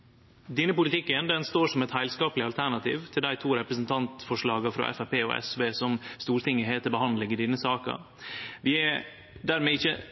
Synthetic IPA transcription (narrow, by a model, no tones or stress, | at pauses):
d̪ɪnəpʊlɪt̪ɪkːənd̪ɛnst̪oːʂɔmɛt̪hæɪlskɑːpəlɪɑlt̪ʰæɳɑt̪ʰḭːʋt̪ʰɪld̪æɪt̪ʰuːɾɛpɾəsnt̪ʰɑnt̪fɔʂɭɑːɡɑfɾɑ̰ːʔɛ̰fæpeːo̰ːɛ̰sʋeːsɔmst̪uːɾt̪ɪŋɪɦeːt̪əbəhɑnd̪lɪŋəɖiːnəsɑːkə̰ | ʋɪɛ | d̪æːɾmeːɪçə